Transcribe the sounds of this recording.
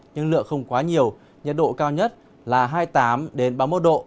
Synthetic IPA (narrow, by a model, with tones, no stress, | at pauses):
ɲɨ˧nlɨ̰˧˨ək̚xə˧wŋ͡mkwaː˨˦ɲi˨˩əw | ɲə˨˩t̚ɗo̰˧˨kaː˧wɲə˦˥t̚ | laː˨˩ɦaː˧jt̪aː˨˦mɗe˨˦nɓaː˧˩mo˨˦˥t̚ɗo̰˧˨